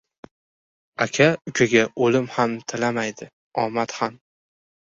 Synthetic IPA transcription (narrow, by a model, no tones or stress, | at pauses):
akʲʰaʊkʲʰaɡʲaolɪmhamt̪ʰɪlamajd̪ɪ | ɒmat̪han